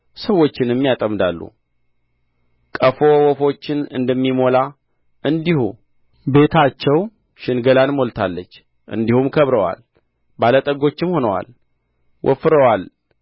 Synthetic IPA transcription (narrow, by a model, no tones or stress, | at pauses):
səwːo̞t͡ʃːɪnɛmːijat̪ʼəmd̪alːṵ | kʼəfo̞wɔfo̞t͡ʃːɪnɨ̰nd̪əmːimo̞la | ʔɨnd̪ihṵ | be̞t̪ʰat͡ʃːɛw | ʃɪnɡəlanmo̞lt̪ʰalːət͡ʃː | ʔɨ̰nd̪ihumkʰəβɾəwa̰l | balət̪ʼəɡo̞t͡ʃːɪmho̞nəwa̰l | wʔɔ̰fɨɾəwal